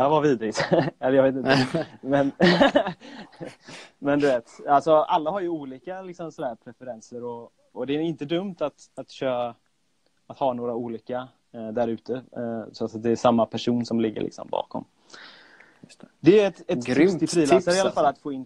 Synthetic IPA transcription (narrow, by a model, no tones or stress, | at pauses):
avaɾviːd̪ɾɪɡt̪ɛləjaɡveːt̪ɪnəmɛn | mɛnd̪ɵveːt̪alsɔalːaɦaɾjɵuːliːkalɪksɔmsɔd̪æːɾpʰɾɛfəɾɛnsəɾɔ | ɔd̪ɛːɪnt̪əd̪ɵmt̪at̪at̪ɕøː | at̪hɑːnoːɾauːliːka | d̪æɾʉ̟ːt̪əsɔat̪at̪̚d̪ɛːʂamːapʰæʂuːnsɔmlɪɡːə̰lɭɪ̰ksɔ̰mbɑ̰ːkɔ̰m | d̪ɛɛt̪ɛt̪ɾt̪ɪt̪ʰːɾiːlːaɾɪalafalːat̪foːɪnː